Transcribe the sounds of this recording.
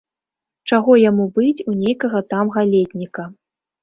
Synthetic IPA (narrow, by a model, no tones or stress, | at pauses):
t͡ʂaɣɔjamubɨt͡sʲunʲejkɐɣɐt̪amɣalʲed̪ʲnʲikɐ